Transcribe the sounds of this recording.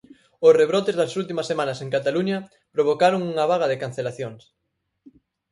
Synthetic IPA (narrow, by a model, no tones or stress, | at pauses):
osreβ̞ɾot̪ezðɐsult̪imɐsːemanɐsẽŋkat̪aluɲɐ | pɾoβ̞okaɾoŋuŋɐβ̞aɣ̞ɐðekan̟θelaθjoŋs